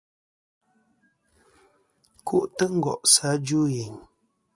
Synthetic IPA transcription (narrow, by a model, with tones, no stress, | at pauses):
kʰu˦ʔtə˦ŋ̩˦ɡɔ̰˨ʔsa˨˦d͡ʒu˦je˨ɲ